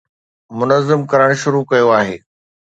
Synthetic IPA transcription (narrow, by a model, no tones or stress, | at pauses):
mʊnəzːɪmkɐɾəɽ̃ʃʊɾukɐjoaːɦeː